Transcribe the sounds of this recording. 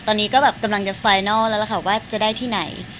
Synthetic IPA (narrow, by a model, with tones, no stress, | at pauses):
t̪ɔː˧nːiː˦˥kɔː˥˩bɛː˨˩p̚ka˧mla˧ŋt͡ɕa˨˩faː˧jnaː˥˩lɛː˦˥la˧˩kʰa˧˩waː˥˩t͡ɕa˨˩daː˥˩jt̪ʰiː˥˩na˩˦j